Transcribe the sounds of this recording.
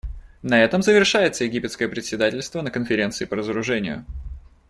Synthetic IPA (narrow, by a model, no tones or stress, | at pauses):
nɐɛt̪əmzəvʲɪrʂajɪt̪səjɪɡʲipʲɪt̪skəjəpɾʲɪt̪ʲsʲɪd̪atʲɪlʲst̪vənəkənfʲɪɾʲe̞nt̪sɨɪpəɾəzəɾʊʐɛnʲɪ̰jʊ̰